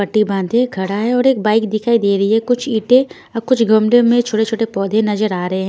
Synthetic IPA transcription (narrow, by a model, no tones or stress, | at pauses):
pɐʈːibãːnd̪ʱẽkʰɐɽaɦɛ̃ɔːɾeːk̚baːɪkd̪ɪkʰaːid̪eːɾɐɦiɦɛkʊt͡ʃʰiːʈẽ | ɐkʊt͡ʃʰɡɐmɖemẽt͡ʃʰoːʈet͡ʃʰoːʈepɔːd̪ʱẽnɐzəɾaːɾɐɦeɦɛ̃